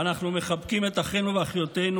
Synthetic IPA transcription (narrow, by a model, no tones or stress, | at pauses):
anaχnume̞χabkime̞t̪aχenuveaχjo̞t̪e̞nu